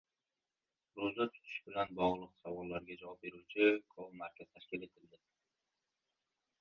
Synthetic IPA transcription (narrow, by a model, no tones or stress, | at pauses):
ɾozat̪ʰʊ̥t̪ʰɪ̥ʃbɪlanbɒʁlˠɨqsavɒlˠːaɾɡʲad͡ʒavɒp̚be̞ɾuwt͡ʃʰɪkʰolˠmaɾkʲʰaz̥t̪ʰaʃkʲɪle̞t̪ʰɪld̪ɪ